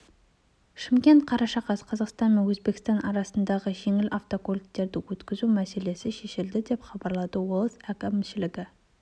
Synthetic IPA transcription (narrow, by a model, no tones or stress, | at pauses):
ʃɪmkʲe̞nt̪̚qʰɑɾɑʃɑqɑsqʰɑzɑqst̪ɑnme̞nwɵzbe̞kʲɪst̪ɑnʔɑɾɑsənd̪ɑʁəʒe̞ŋɪlʔɑft̪o̞kolʲkt̪e̞ɾd̪ɪwɵt̪kʲɪzumæse̞le̞sɪʃe̞ʃɪld̪ɪd̪e̞pχɑbɑɾlˠɑd̪əwolˠəsækemʃɪlɪɡʲɪ